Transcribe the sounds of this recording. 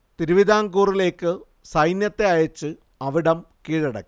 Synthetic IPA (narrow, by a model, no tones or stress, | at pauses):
t̪iɾuʋid̪aːŋɡuːrile̞ːkːɨ | sɐjnjɐt̪ːe̞ɐjɐt͡ɕːɨ | ɐʋiɽɐmkiːɻɐɽɐ̰kːi